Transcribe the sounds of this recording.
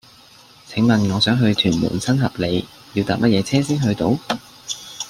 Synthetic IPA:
t͡sʰɪ˨˥ŋmɐ˨nŋɔː˨˧sœː˨˥ŋɦɵ˧ɥt̪ʰyː˨˩nmṵː˨˩nsɐ˥nɦɐ˨p̚le˨˧j | ji˧wt̪aː˨p̚mɐ˥t̚jɛː˨˧t͡sʰɛː˥siː˥nɦɵ˧ɥt̪o˨˧w

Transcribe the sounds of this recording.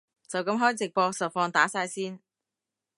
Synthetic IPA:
t͡sɐ˨wkɐ˧˥mɦɔː˥jt͡sɪ˨k̚pɔː˧k̚sɐ˨t̚fɔː˧ŋt̪aː˨˥saː˧jsiː˥n

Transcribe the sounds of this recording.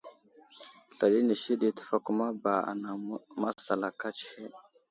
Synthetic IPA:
ɬa˨ɗi˦ni˨ʃi˦ɗi˨tə̥˦fa˦ku˦ma˦ba˨a̰˨na˨ma˦sa˨la˨ka˦t͡ʃhe˦

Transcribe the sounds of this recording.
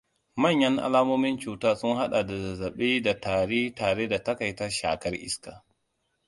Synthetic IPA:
mɐ˦˨ɲjɐ˦ŋʔa̰˦laː˦moː˦mɪ˦nt͡ʃuː˨taː˦sʊ˦ŋha˦ɗa˨da˨zɐ˨zɐ˨ɓeː˦da˨taː˨ɽeː˦taː˨ɽeː˦da˨tɐ˦ka˨jtɐ˦ʃa̰ː˨kɐ˦rʔɪ̰˦skaː˨

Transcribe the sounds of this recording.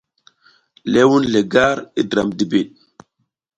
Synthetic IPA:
le˦wu˦nle˨ɡa˦ɾi˦dɾa˨mdi˨bi˨ɗ̚

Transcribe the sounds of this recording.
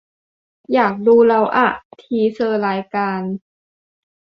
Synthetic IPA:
jaː˨˩k̚duː˧ɾa˧wʔa̰˧˨˩t̪ʰiː˨˧˦sɤː˧laː˨˦jkaː˧n

